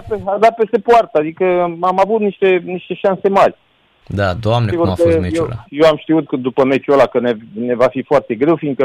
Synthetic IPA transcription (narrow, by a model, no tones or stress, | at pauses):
pead̪at̪̚pe̞st̪e̞poart̪əad̪ikəamavut̪niʃt̪e̞niʃt̪e̞ʃanse̞marʲ | d̪ad̪oamnesiɡuafkəmejewjewamʃt̪iut̪̚kəd̪upəme̞t͡ʃiolakənene̞vafifoart̪e̞ɡɾe̞wfiŋɡ̪kə